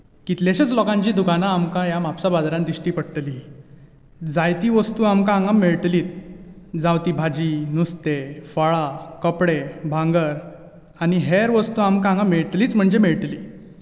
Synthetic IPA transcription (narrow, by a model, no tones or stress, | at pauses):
kit̪leɕət͡slɔkãɲt͡ɕiːd̪ukanaːmkajamapsabad̪ɾãnd̪iʂʈiːpəɽt̪li | d͡zajt̪iːʋəst̪uːamkaaŋɡamːeɭʈ̪liːt̪̚d͡zãwt̪iːbʱad͡ʑiːnust̪efəɭakəpɽebʱãŋɡəɾ | aniɦeɾʋəst̪uːamkaãŋɡameɭt̪liːt͡sm̤əɳd͡ʑemeɭt̪liː